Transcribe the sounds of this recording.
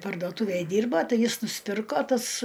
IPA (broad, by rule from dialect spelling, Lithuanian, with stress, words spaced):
pɐrdoːˈtʊʋʲeːj ˈdʲiːrbɐ ˈtɐɪ ˈjɪs nʊsʲˈpʲɪrkoː ˈtɐs